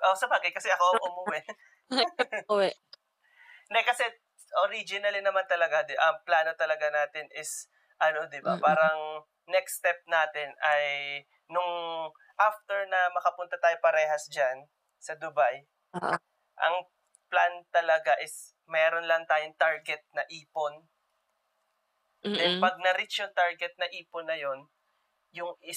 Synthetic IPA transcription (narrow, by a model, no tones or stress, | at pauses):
ʔosɐbaːɡɐjkɐsɛʔɐko̞ʔʊmɐwwɛ | wɛ | nd̪ɛkɐsɛ | ʔoɾid͡ʒɪnɐlɪnɐmant̪ɐlɐɡad̪ɪʔɐŋplaːno̞t̪ɐlɐɡanaːt̪ɪnɪs | ʔɐno̞d̪ɪba̰paːɾɐŋ | nɛkst̪ɛp̚naːt̪ɪnɐj | nʊŋ | ʔaft̪ɛɹnɐmɐkɐpʊnt̪ɐt̪aːjopɐɾɛːhɐsd͡ʒan | sɐd̪ʊbaj | ʔɐŋ | plant̪ɐlɐɡaʔɪs | mɛːɾo̞nlɐŋt̪aːjoŋt̪aɹɡɛt̪̚nɐʔiːpon | d̪ɛnpɐɡ̚nɐɾit͡ʃoŋt̪aɹɡɛt̪̚nɐʔiːponːɐjon | jʊŋɪ